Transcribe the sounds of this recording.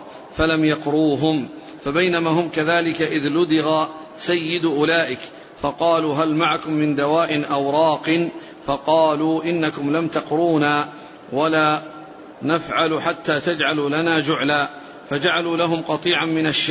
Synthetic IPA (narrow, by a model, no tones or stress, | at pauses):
falamjɑqɾuːɦʊm | fabajnamaːɦʊmkaðaːlɪkaʔɪðlʊd̪ɪɣa | sajːɪd̪ʔʊlaːʔɪk | fɑqɑːluːɦalmaʕakʊmːɪnd̪awaːʔɪnʔawɾˤɑːqɨn | fɑqɑːluːʔɪnːakʊmlamt̪ɑqɾuːnaː | walaː | nafʕaluħat̪ːaːt̪ad͡ʒʕaluːlanaːd͡ʒʊʕlaː | fad͡ʒaʕaluːlaɦʊmqɑt̪ˤiːʕanmɪnaʃːa